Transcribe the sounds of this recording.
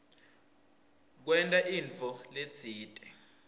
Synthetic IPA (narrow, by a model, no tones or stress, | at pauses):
k̬wɛntʼaʔint͡fɔle̥t͡sʰiːtʼɛ